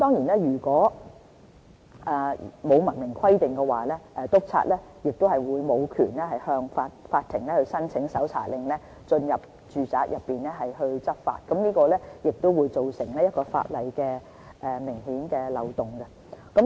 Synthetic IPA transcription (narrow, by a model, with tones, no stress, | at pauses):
t̪ɔː˥ŋjiː˨˩nlɛː˥jyː˨˩kɔː˨˥ | ʔɛː˨mo˨˧wmɐ˨˩nmɪ˨˩ŋkʰɐ˥jt̪ɪ˨ŋkɛ˧waː˨˩lɛː˥ʔɛ˨t̪ʊ˥k̚t͡sʰa̰ː˧t̚lɛ˥jɪ˨k̚t̪o˥whɐ˨˩jwuː˨˧jmo˨˧wkʰyː˨˩nlɛː˥hɐ˨jhœː˧ŋfaː˧t̚faː˧t̪ʰːɪ˨˩ŋlɛː˥hɵ˧ɥsɐ˥nt͡sʰɪ˨˥ŋsɐ˨˥wt͡sʰa̰ː˨˩lɪ˨ŋlɛː˥ | t͡ʃɵ˧njɐ˨p̚ | t͡ʃyː˨t͡sa̰ː˧k̚jʔɐ˨pːiː˨˩nɛː˥ɦɐ˨jɦɵ˧ɥt͡sɐ˥t̚fa̰ː˧t̚kɐ˨˥mniː˥kɔː˧lɛː˥jɪ˨k̚t̪o˥wuː˨˧jt͡so˨wsɪ˨˩ŋlɛː˥jɐ˥t̚kɔː˧fa̰ː˧t̚lɐ˨˧jkɛː˧ | ʔɛː˨mɪ˨˩ŋhiː˨˥nkɛː˧lɐ˨˧wt̪ʊ˨ŋɡɐ˧ | kɐ˨˥